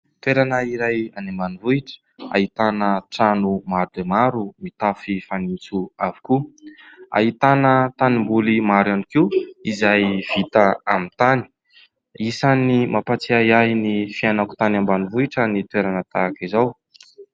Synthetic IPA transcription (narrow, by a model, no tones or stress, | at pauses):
t̪weɾanəiɾajanambanivuiʈ͡ʂə̥ | a̰ɦit̪anəʈ͡ʂanumaɾd̪emaɾumit̪afifanit͡suaviku | a̰ɦit̪anət̪animbulimaɾanikiizajv̥it̪aamint̪ani̥ | isanimapat͡siajajnifianaku̥t̪anambanivuiʈ͡ʂanit̪weɾanət̪akizaw